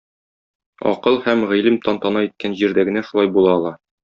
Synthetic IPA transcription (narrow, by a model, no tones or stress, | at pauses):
ɒ̰qɤlˠhæmʁilɘmt̪ɒnt̪ɑnɑit̪̚kænʑiɾd̪æɡɘ̆næʃulˠɑjbulˠɑːlˠɑ